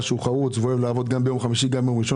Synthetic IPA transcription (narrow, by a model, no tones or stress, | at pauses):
ʃuχaʁut͡sveoevlaavo̞d̪ɡambejo̞mχamiʃiɡamjomʁiʃo